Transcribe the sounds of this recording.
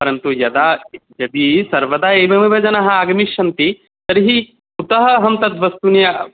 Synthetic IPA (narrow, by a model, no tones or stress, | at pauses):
pɐɾɐnt̪ujɐd̪aːjɐd̪isɐɾʋɐd̪aːejʋɐmiʋɐd͡ʒɐnɐɦɐaːɡɐmiʃɐnt̪i | sɐɾiɦi | ut̪ɐɦɐɦɐmt̪ɐd̪ʋɐst̪unjɐ